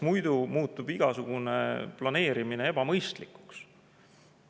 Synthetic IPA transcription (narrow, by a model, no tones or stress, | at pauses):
mujd̪̥umuːt̪ːˑub̥iɡ̥ɑsuɡ̥unḛplɑne̞ːɾimine̞e̞b̥ɑmɤjst̪likːˑu̥ks